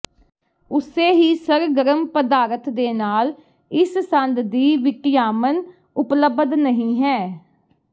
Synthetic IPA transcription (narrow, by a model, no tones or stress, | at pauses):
ʊseːɦiːsəɾɡəɾəmpəd̪aːɾət̪d̪eːnaːl | ɪssə̃nd̪d̪iːʋɪkɪjaːmən | ʊpləbəd̪nəɦĩːɦɛː